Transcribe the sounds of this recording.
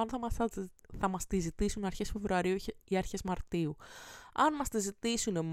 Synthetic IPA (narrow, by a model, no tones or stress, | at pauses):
ɐnθɐɐθɐmɐst̪izit̪isunɐɾçesfe̞vɾuɐɾiuiɐɾçe̞zmɐɾt̪iuɐnmɐst̪izit̪isunem